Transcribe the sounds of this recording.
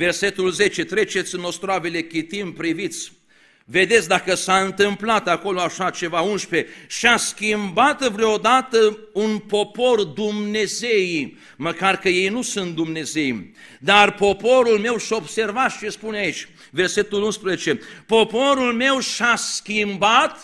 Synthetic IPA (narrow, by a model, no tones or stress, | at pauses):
ve̞rse̞t̪ulze̞t͡ʃe̞t̪ɾe̞t͡ʃe̞t̪sʲɨno̞st̪ɾoavele̞kʲit̪impɾivit̪sʲ | ve̞d̪e̞t̪sʲd̪akəsaɨnt̪ɨmplat̪ako̞loaʃat͡ʃe̞vaunʃpe̞ʃaskʲimbat̪vɾeood̪at̪əunpo̞po̞rd̪umne̞ze̞j | məkarkəje̞jnusunt̪̚d̪umne̞ze̞j | d̪arpo̞po̞ɾulme̞wʃo̞bse̞rvat͡ʃespuneait͡ʃʲ | ve̞rse̞t̪ulunspɾezet͡ʃe̞po̞po̞ɾulme̞wʃaskʲimbat̪